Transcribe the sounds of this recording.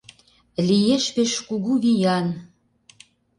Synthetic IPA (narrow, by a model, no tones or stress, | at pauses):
lijeʃpeʃkuɣuβijɑn